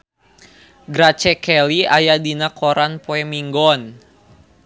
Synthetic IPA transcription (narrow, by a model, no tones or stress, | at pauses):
ɡɾat͡ʃɛkɛliajadinakɔɾanpoɛmiŋɡɔn